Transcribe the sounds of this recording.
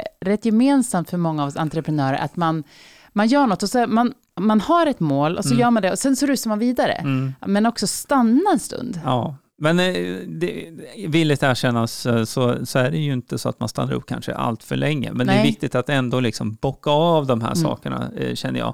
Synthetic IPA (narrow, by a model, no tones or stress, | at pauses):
ɾɛt̪ːjɛmeːnsamt̪fœɾmɔŋːaːva̰nt̪ɾəpʰɾɛnœːɾə̰ɾʔa̰t̪man | manjœːɳɔt̪ːɔsɔman | manhaɾɛt̪moːlʔɔsɔjœːɾmand̪ɛɔsɛnsɔɾʉ̟ːsaɾmanviːd̪aɾə̰mɛnɔksɔst̪anːaɛnst̪ɵ̰nd̪ɑː | mɛnd̪ɛvɪlːɪt̪æːʂɛnːassɔsɔæɖɛjɵɪnt̪əsɔa̰t̪̚manst̪a̰nːaɾɵ̰p̚ːkʰa̰nʂə̰ʔa̰lt̪fœ̰ɭɛŋːə̰mɛnd̪ɛvɪk̚t̪ɪt̪at̪ɛnd̪olɪksɔmbɔkːavd̪ɔmɦæ̰ːʂɑ̰ːkəɳa̰ɕɛnːəjɑ̰ː